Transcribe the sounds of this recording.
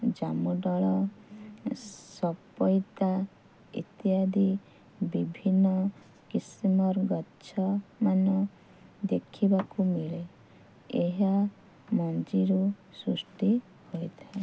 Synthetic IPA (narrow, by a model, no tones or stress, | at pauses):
d͡ʒamuɖɔɭɔ | sɔpɔjt̪a | ḭt̪jad̪i | bibʱinːɔ | kisimɔɾɡɔtːt͡ʃʰɔmanɔ | d̪ekʰibakumiɭe | eɦa | mɔnd͡ʒiɾusɾusʈi | hojt̪ʰae